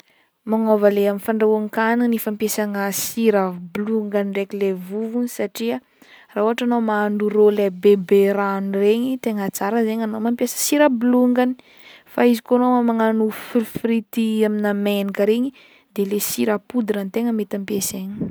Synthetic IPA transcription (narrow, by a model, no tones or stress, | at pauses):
maŋovəleaminfaɳɖ͡ʐaaŋkaninifampesaŋəsiɾabluŋɡaniɖ͡ʐekilevuvunisaʈ͡ʂiə | rauaʈ͡ʂanomanuɾolebebeɾanreɲit̪eŋat͡saɾəzeɲanomampjesə̥siɾəbuluŋɡani̥ | faizikonoamaŋanuffɾit̪iaminamenikəɾeɲi | d̪elesiɾapud̪iɾant̪eŋəmet̪ampjeseɲi̥